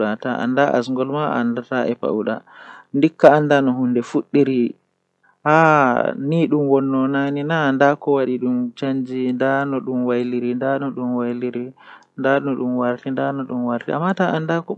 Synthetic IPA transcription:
ataʔa̰ndaʔa̰sŋɡɔlmaa̰ndataɛpa̰wɗa̰ndikːaːndanɔɦundɛfuɗːiɾi | haniɗumwɔnːɔnaninandakɔwaɗiɗumt͡ʃaɲd͡ʒindanɔɗumwajliɾindanɔɗumwajliɾi | ndanɔɗumwaɾtindanɔɗumwaɾtia̰mːataʔandakɔ

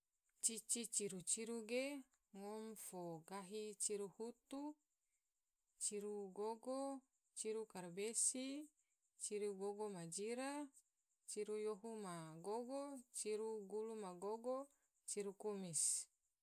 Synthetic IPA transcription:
t͡ʃit͡ʃit͡ʃiɾut͡ʃiɾuɡe | ŋɔmfoɡaɦit͡ʃiɾuhut̪u | t͡ʃiɾuɡoɡo | t͡ʃiɾukarbesi | t͡ʃiɾuɡoɡomad͡ʒiɾa | t͡ʃiɾujoɦumaɡoɡot͡ʃiɾuɡulumaɡoɡo | t͡ʃiɾukumis

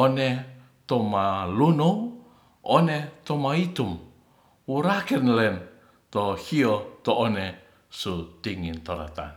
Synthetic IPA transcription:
ɔnɛ | t̪ɔmalunuw | ɔnɛt̪ɔmait̪um | wuɾakɛnlɛn | t̪ɔhiɔt̪ɔːnɛ | sut̪iŋint̪ɔɾa̰t̪a̰n

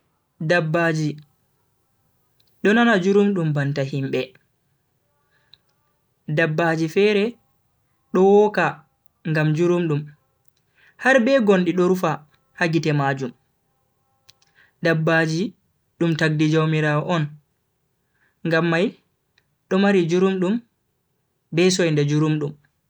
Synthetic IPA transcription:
dabːad͡ʒi | ɗɔnanad͡ʒuɾumɗumbantaɦimɓɛ | dabːaːd͡ʒifɛːɾɛ | ɗɔwɔka | ŋɡamd͡ʒuɾumɗum | haɾbɛɡonɗiɗɔɾufa | haɡitɛmaːd͡ʒum | dabːaːd͡ʒi | ɗumtaɡ̚did͡ʒawmiɾaːwɔʔɔn | ŋɡamːaj | ɗɔmaɾid͡ʒuɾumɗum | bɛsɔjndad͡ʒuɾumɗum

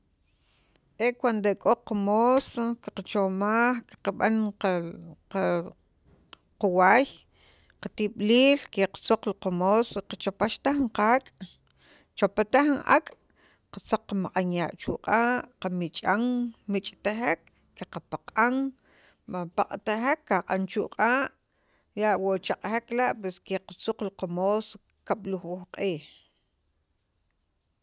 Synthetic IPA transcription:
ʔekwand̪oekʼoqamoːsokiqat͡ʃomaːχki̥qaɓa̰n | quwaːj | qat̪iɓliːlkeqt͡soq͡χliqamoːsoiqat͡ʃopaʃt̪aχɴqakʼ | t͡ʃopat̪aχinʔa̰kʼ | qat͡saq͡χːamaqʼanjaːʔt͡ʃuʔqʼaːʔqamit͡ʃʼaŋmit͡ʃʼt̪axek̚ː | eqapaqʼaŋ | mapaqʼt̪axekːaqʼant͡ʃuʔqʼaːʔ | jaʔwot͡ʃaqʼheklaʔpweskeqat͡suq͡χliqamoːs | kaɓ̥luxwuxqʼiːh

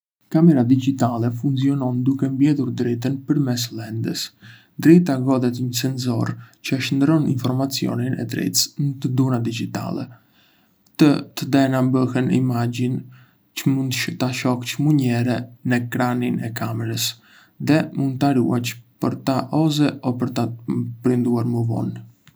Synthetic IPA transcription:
kamɛɾad̪iɟit̪alɛfunziɔnɔnd̪ukɛmbjɛðuɾd̪ɾɛt̪̬ənpəɾmɛs̬lɛnd̪ə̰s | d̪ɾɛt̪aɡɔðɛt̪ɲəsɛnzɔ̰ɾt͡ɕəʃənd̪ɾɔninfɔɾmat͡siɔ̰ninɛ̰d̪ɾɛ̰t̪snət̪əd̪unad̪iɟit̪a̰lɛ̰ | t̪ət̪əd̪ɛnambəhɛnḭmaɟin | t͡ʃəmund̪ʃt̪aʃɔkcmuɲɛɾɛnɛkɾaninɛkamɛɾəs | ðɛmund̪t̪aɾṵat͡ʃpəɾt̪aʔɔzɛɔpəɾt̪apɾind̪uaɾməvɔ̰n

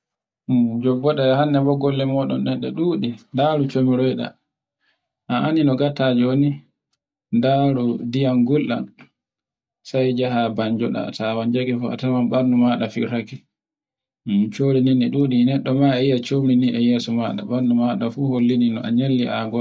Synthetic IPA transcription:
d͡ʒɔbːɔɗahanːɛbɔɡɔlːɛmɔɗɔnɗɛɗɛ̰ɗuːɗindaɾut͡ʃomiɾɔjɗa̰ | ʔaʔaninɔɡatad͡ʒoni | ndaɾudijanɡulːa̰n | sajd͡ʒaɦabaɲd͡ʒɔɗa̰tawand͡ʒaɡɛfua̰tamanɓanːumaɗafiɾaki | t͡ʃoɾininiɗuːɗinɛɗːɔmaɛjijat͡ʃomɾiniʔɛjɛːsɔmaɗa̰ɓanːumaɗafuholːininɔʔa̰ɲelːiʔaɡɔ

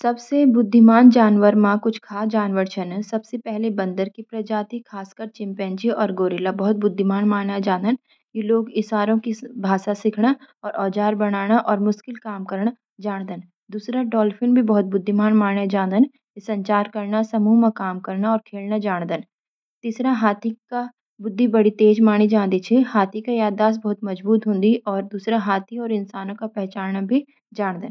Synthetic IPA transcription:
sɐbsebʊd̪ʱːɪmaːnd͡ʒaːnʋəɾmãkʊt͡ʃʰkʰaːd͡ʒaːnʋəɾt͡ʃʰənsɐbsepɛɦlebɐ̃nd̪əɾkipɾɐd͡ʒaːt̪ikʰaːskəɾt͡ʃɪ̃mpɛ̃nt͡ʃiɔːɾɡoːɾɪlabɐɦʊt̪̚bʊd̪ʱːimaːnmaːjad͡ʒaːnd̪ən | kiloːɡɪsaːɾõkibʱaːʃasɪkʰɽaɔːɾʔɔːd͡ʒaːɾbɐɽ̃aːɽ̃aʔɔːɾmʊʃkɪlkaːmkɐɾɳ̃a | d͡ʒaːɽ̃d̪ən | d̪uːsɾaɖɔːlfʰɪnbʱibɐɦʊt̪̚bʊd̪ʱːimaːnmaːɽ̃ad͡ʒãːd̪ən | kisɐ̃ɲt͡ʃaːɾkɐɾnasɐmuːmãkaːmkɐɾnaɔːɾkʰeːlnad͡ʒaːɽ̃d̪ən | t̪iːsɾaɦaːt̪ʰika | bʊd̪ʱːibɐɽit̪eːd͡ʒmaːɽ̃id͡ʒãːnd̪it͡ʃʰɛhaːt̪ʰikajaːd̪ːaːs̬bɐɦʊt̪mɐd͡ʒbuːt̪ɦõːnd̪iʔɔːɾd̪uːsɾaɦaːt̪ʰiɔːɾɪnsaːnõkapɛɦt͡ʃaːnnabʱi | d͡ʒaːɽ̃d̪ən

